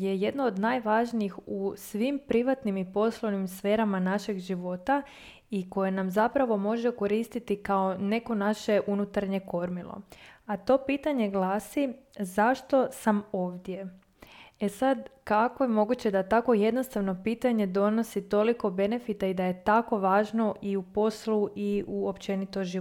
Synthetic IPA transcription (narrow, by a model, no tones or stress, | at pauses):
je̞je̞d̪no̞ːd̪najʋaʒniixusʋimpɾiʋat̪nimipo̞slˠoʋnimsfe̞ːɾamanaʃe̞ɡʒiʋo̞t̪a | iko̞je̞namzapɾaʋo̞mo̞ʒeko̞ɾiːst̪it̪ikao̞ne̞ko̞naʃe̞ʔunut̪aɾɲe̞ko̞ɾmilˠo̰at̪o̞piːt̪aɲe̞ɡlˠaːsizaʃt̪o̞samo̞ːʋd̪je̞ | esad̪kako̞jemo̞ɡut͡ɕe̞d̪at̪ako̞je̞d̪nost̪aʋno̞piːt̪aɲe̞d̪o̞no̞sit̪o̞liko̞be̞ne̞fit̪aid̪aje̞t̪ako̞ʋaːʒno̞ʔiupo̞sluʔiʔuopt͡ɕe̞nit̪oʒi